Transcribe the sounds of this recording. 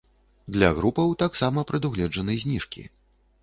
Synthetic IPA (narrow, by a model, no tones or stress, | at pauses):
d̪lʲɐ̰ɣɾupɐwt̪aksamɐpɾɨd̪uɣlʲɛd͡ʐɐnɨzʲnʲiʂkʲḭ